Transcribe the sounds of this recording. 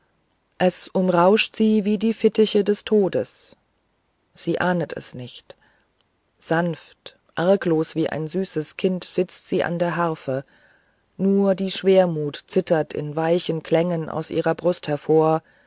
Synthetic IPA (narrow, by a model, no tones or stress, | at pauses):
ʔɛsʔʊmʁaʊʃtz̥iːviːdiːfɪtɪçədɛstʰoːdəs | z̥iːʔaːnətʰɛ̰snɪçt | z̥anft | ʔaɐkloːsv̥iːʔa̰ɪnzyːsəskʰɪntz̥ɪt͡stz̥iːʔa̰ndeːɐɦaɐfə | nuːɐdiːʃv̥eːɐmuːtt͡sɪtɐtʰɪ̰nvaɪçənkʰl̥ɛŋənʔa̰ʊsʔḭːʁɐbʁʊsthɛɐfoːɐ